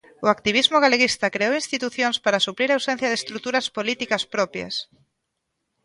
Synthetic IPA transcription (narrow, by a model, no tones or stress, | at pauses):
ʊakt̪iβ̞izmʊɣaleɣist̪ɐkɾeowinst̪it̪uθjonspaɾasupɾiɾawsẽn̟θjɐðest̪ɾut̪uɾɐspolit̪ikɐspɾɔpjɐ̰s